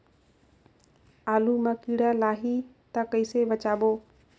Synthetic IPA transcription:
aːluːmãːkiːɽaːlaːɦiː | t̪akəɪseʋət͡ʃaːɓoː

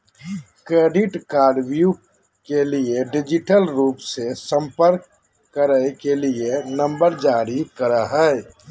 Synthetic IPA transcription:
kɾeːɖɪʈkaːɖʋju | kelieɖɪd͡ʒɪʈəlɾuːpsesə̃mpəɾkː | əɾəkelienə̃mbəɾd͡ʒaːɾikəɾaɦɛː

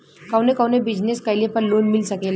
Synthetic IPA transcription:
kawnekawnebid͡ʑneskajlepənlonmilsəkela

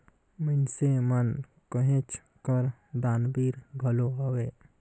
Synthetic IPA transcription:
mənsemən | kəɦẽt͡ʃ | kəɾd̪aːnbiːɾbʱəloɦəweː

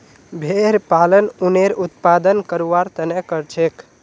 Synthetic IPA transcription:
bʱeɾpalənuneɾut̪pad̪ənkəɾuʋaɾt̪ənɛkəɾt͡ʃʰek

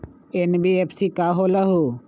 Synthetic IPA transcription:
enbiepʰsikaːɦoːlɐɦu

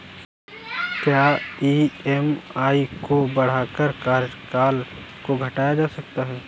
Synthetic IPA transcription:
kjaːiːɛmaːikobɐɽ̤aːkəɾkaːɾkaːl | koɡʱɐʈaːjad͡ʒaːsɐk̚t̪aɦɛː

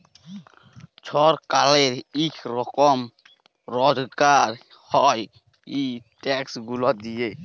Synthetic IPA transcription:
t͡ʃʰɔɾkaleɾikʰɾɔkɔm | ɾɔd͡ʒkaɾ | hɔj | iʈɛksɡulɔt̪̚d̪ije

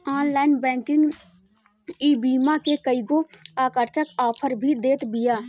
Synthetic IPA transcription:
aːnlaːɪnbɛ̃ːŋkɪ̃ŋɡ | iːbiːmãkekəiɡoaːkəɾt͡ʃəkaːpʰəɾbʱid̪eːt̪bɪjaː

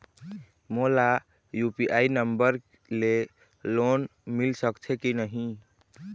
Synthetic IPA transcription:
mola | jupiʔainəmbəɾ | le | lonmilsəkt͡ʃʰekinəɦĩ

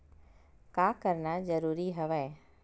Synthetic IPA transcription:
kakəɾnad͡ʒəɾuːɾiɦəʋae

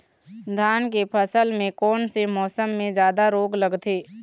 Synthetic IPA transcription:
d̪ʱaːnk̬epʰəsəlmẽkɔːnsemɔːsəmːẽd͡ʒjaːd̪aɾoːɡləɡt̪ʰeː

